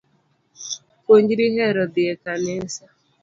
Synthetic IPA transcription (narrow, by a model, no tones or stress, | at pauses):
koɲd͡ʒiɾiɦeɾɔdɪekanesa